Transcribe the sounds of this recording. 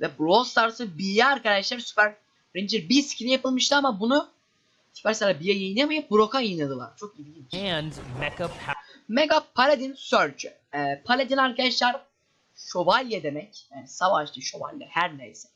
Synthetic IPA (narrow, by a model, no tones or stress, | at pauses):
vɛbɾost̪ˠaɾsɯbijɛaɾkʰaɾd̪aʃlˠæɾsy̥pæɾ | ɾind͡ʒiɾbiscʰinijapɯlˠmɯʃt̪ɯamabunu | sy̥pʰæɾsalʲabijajajɯnamajɯp̚buɾo̞kajajɯnad̪ɯlˠa̰ɾ̥t͡ʃʰokid̪ʲɟʲimiʃɛ̃ndmɛkapmeɡapʰːalʲed̪insøɾt͡ʃʰy | ɛpʰalʲed̪inaɾkad̪aʃlˠaɾ | ʃovalʲjɛd̪emɛcjaːnisavaʃt̪ɯʃo̞va̰lʲja̰hæɾnejsɛ̥